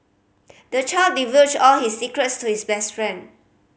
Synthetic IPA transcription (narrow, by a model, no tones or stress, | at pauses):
d̥ət͡ʃaɪldivətɔlhisːikɹətstuhisbɛstfɹɛ̃nd